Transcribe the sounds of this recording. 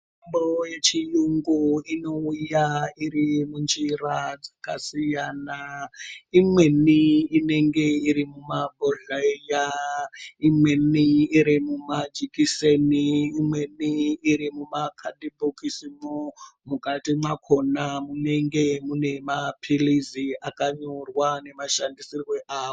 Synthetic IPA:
mbojet͡ʃijuŋɡuino̞ujaiɾimund͡ʒirad͡zakasijana | imweniine̞ŋɡe̞iɾimumaboɮaija | imwe̞niːɾimumad͡ʒikiseniːmwe̞niːɾimumakʰaɗibokisimomukatimwakʰonamune̞ŋɡe̞mune̞mapʰiliziakaɲorwane̞maʃandisirweʔaːo

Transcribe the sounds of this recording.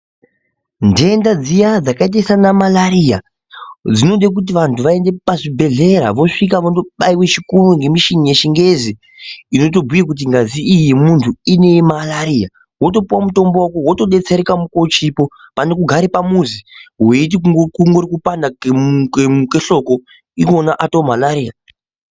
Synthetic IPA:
ndeːndad͡zijad͡zakait̬aisanamalaɾija | d͡zino̞ɗek̬ut̬iʋantʰuʋae̞nde̞paʐibʱe̞ɮe̞ɾaʋo̞ʂik̬aʋondoɓaiwet͡ʃikuruŋɡe̞miʃinije̞ʃiŋɡe̞zi | ino̞t̬o̞bʱujik̬ut̬iŋɡaziijemuntʰuine̞malaɾiːja | wo̞t̬o̞puwamuto̞mbowakowo̞to̞ɗe̞t͡se̞ɾekamuko̞t͡ʃipo̞ | pane̞kuɡʱaɾepamuziɦwe̞it̬ikukuŋɡoɾikupandakkemukeɬo̞ko | ikonaʔatomalaɾiːja

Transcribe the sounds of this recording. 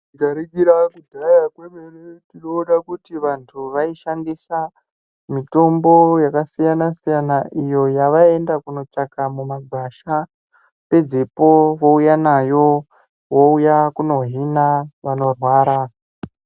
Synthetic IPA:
tikaɾeɡiɾakudʱajakwemeretinouɗakutiʋantʰuʋaiʃandisa | mito̞mbo̞jakasijanasijanaʔijo̞jaʋae̞ndakuno̞t͡ʂakamumaɡʱaʃa | pe̞d͡zepo̞ʋo̞ujanajo̞ | woujakuno̞ɦinaʋano̞rwaːɾa

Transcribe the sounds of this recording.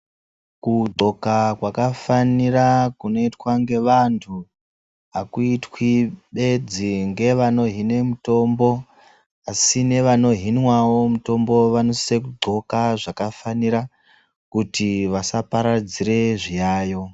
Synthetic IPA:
kuɡ͡ǀʱo̞kakwakafanirakuno̞itwaŋɡe̞ʋantʰu | akuitwiɓe̞d͡ziŋɡe̞ʋano̞ɦine̞muto̞mbo̞ | asine̞ʋano̞ɦinwawo̞muto̞mbo̞ʋano̞siekuɡ͡ǀʱo̞kaʐakafaniɾa | kutiʋasapaɾad͡zire̞ʐijaːjo̞

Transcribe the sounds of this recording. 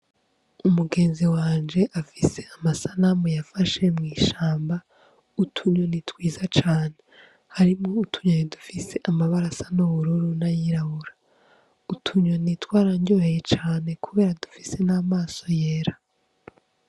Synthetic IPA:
umuɡe̞ːnziwaːnd͡ʒe̞ʔafise̞amasanamojafaʃe̞mŋiːʃaːmba | utʰuɲo̞nitwiːzat͡ʃaːne̞ | haɾimŋo̞utʰu̥ɲojidufise̞ʔamaβaɾasḁnoβuɾuɾunajiɾaβuɾa | utʰuɲo̞nitwaːɾaɲɟoːhejet͡ʃaːne̞kuβe̞ːɾadu̥fi̥se̞naːmaːso̞je̞ːɾḁ

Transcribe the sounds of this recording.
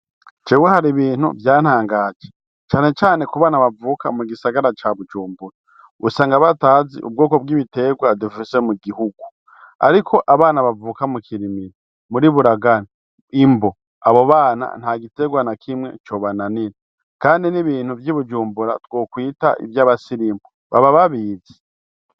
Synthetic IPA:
t͡ʃewehaɾiβiːn̥ṵvjaːn̥haːŋɡaːd͡ʒe | t͡ʃaːne̞t͡ʃaːne̞kuβaːnaβavuːka̰muɡisaɡaɾat͡ʃaβud͡ʒuːmbuɾa | usaːŋɡaβataːzḭʔṵb̚ɡoːko̞b̚ɡiːβite̞ɡwadufisemuɡihuɡu | a̰ɾikʰo̞ʔaβaːnaβavuːkamukʰiɾimiɾi | muɾiβuɾaɡani | imbo̞ | aβo̞βaːna̰n̥haɡite̞ːɡwanakʰimŋe̞̰t͡ʃo̞βananiɾe | kaːndiniβiːn̥huvjiβud͡ʒuːmbuɾa̰tɡ̥wo̞ːkwiːta̰ʔḭvjaːβasiɾiːmbo | βa̰βaβaβiːze̥

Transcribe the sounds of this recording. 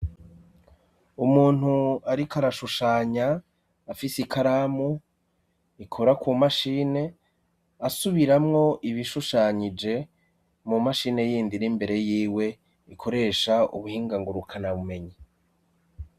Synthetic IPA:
umuːn̥uaɾikaɾaʃuʃaːɲaː | fisikʰaɾamu | ikʰoɾakumaʃiːne̞ | asuβiɾamŋo̞ʔiβiʃuʃaːɲid͡ʒe̞ | mumaʃiːne̞jiːndinimbe̞ɾe̞jiːwe̞ | ikʰo̞ɾe̞ːʃaṵβuhiːŋɡaŋɡuɾukʰanaβume̞ɲi

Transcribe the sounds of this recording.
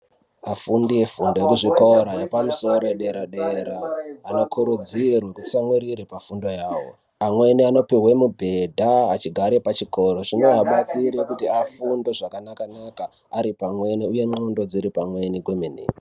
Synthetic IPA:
afundije̞fundo̞jekuʐikoɾajepamuso̞ɾo̞ɗe̞ɾaɗe̞ɾaːno̞kʰuɾud͡zirwekut͡samweɾiɾepafundo̞jawo̞̰ | amwe̞niano̞piɦwemubʱe̞dʱaːt͡ʃiɡʱaɾe̞pat͡ʃiko̞ɾo̞ʐino̞ɦaɓat͡siɾekutiafundoʐakanakanakaː | ɾipamwe̞niuje̞ŋ͡ǃondo̞d͡ziɾipamwe̞niɡwemenḛːi

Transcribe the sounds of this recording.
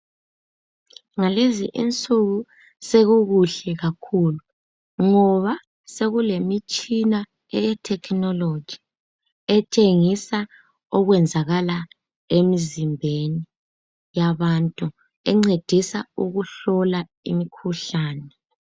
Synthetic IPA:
ŋalezḭʔint͡sʼuɣu | seɣuɣuɬɛɣakʰulu | ŋɔβa | seɣulemit͡ʃʼina | ɛjɛtʰɛkʰnɔlo̥d͡ʒʱi̥ | ɛtʼeŋisa | ɔɣwɛnd͡zʱaɣala | emizimbʱeni | jaβantʼu | ɛŋ͡ǀed̥ʱisauɣuɬɔla | ḭmikʰuɬaːnɛ

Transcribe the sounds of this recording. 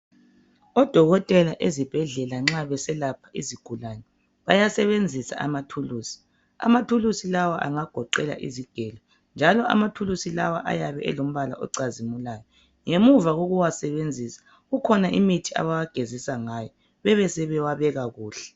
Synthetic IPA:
ɔd̥ʱɔɣɔtʼɛlaʔezib̥ʱɛɮɛlaŋ͡ǁaβɛsɛlapʰaʔiziɡ̥ʱulanɛ | βajasɛβend͡zʱisa̰ʔamatʰuluːsi̥ | a̰matʰulusilawaʔa̰ŋaɡ̥ʱɔǃɛla̰ʔḭziɡ̥ʱɛːlɔ | nd͡ʒʱalɔʔa̰matʰulusila̰wa̰ʔa̰jaβɛ̰ɛ̰lom̩βala̰ʔɔ̰ǀazimulaːjɔ | ŋemuvaɣoɣuwasɛβend͡zʱisḁ | ɣukʰɔnaʔimitʰia̰βawaɡ̥ʱezisaŋajɔ | βɛβɛsɛβɛwaβɛɣaɣuːɬɛ̥

